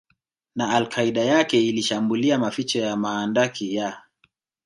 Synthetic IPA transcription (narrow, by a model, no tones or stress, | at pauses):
naːlkʰaiɗajakɛiliʃambuliamafit͡ʃɔjamaːndakʰija